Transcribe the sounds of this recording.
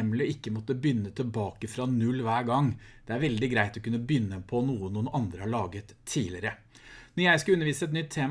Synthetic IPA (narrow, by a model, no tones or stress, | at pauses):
mlɪɪkːəmɔt̪ːəbʏnːət̪ʰɪlbɑːkəfɾɑnʉlːʋæːɡɑŋːd̪̥ɛæɾʋɛld̪ɪɡɾæɪt̪ɔkʉnːəbʏnːəpʰɔnuːənuːənɑnd̪ɾəhɑɭɑːɡət̪ʰːiːlɪɾə | nɔjæɪskɑʉnəɾʋiːsəɛt̪̬nʏt̪ʰːeːm